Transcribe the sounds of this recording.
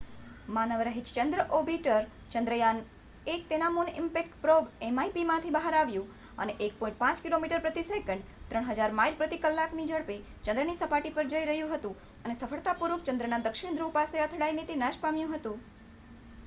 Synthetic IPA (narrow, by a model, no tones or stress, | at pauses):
manəʋɾəɦit͡ʃt͡ʃənd̪ɾəʔobiʈəɾ | t͡ʃənd̪ɾəjan | ek̚t̪enamunɪmpekʈpɾobemaipimãt̪ʰibəɦaɾaʋjũ | ə̰neʔek̚pɔ̃ĩɳʈ̚pãt͡ʃkilomiʈəɾpɾət̪isekəɳɖt̪ɾəɳ̃ɦəd͡ʒaɾmailpɾət̪ikəlːaknid͡ʒəɽpe | t͡ʃənd̪ɾənisəpaʈipəɾd͡ʒəiɾəɦjũɦət̪ũ | ənesəfʰəɭt̪apuɾukt͡ʃənd̪ɾənad̪əkʃɪɳ̃d̪ɾupaseət̪ʰɽajnet̪inaʃpamjũɦət̪ũ